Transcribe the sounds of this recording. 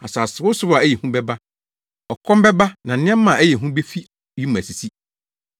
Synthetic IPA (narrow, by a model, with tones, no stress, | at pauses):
a˨saː˨sɪ˨wʊ˦sʊ˦a˨æ˦jɛ˨hũ˦bɛ˦ba˦ | ɔ˨kʰɔ̃˦m˦bɛ˦ba˦nã˨n̩˦nɪ̃˦ɛ̃˦m˦mã˨æ˦jɛ˨ɦũ˦be˦fi˦ | ji˦m̃˨æ˨si˨si˦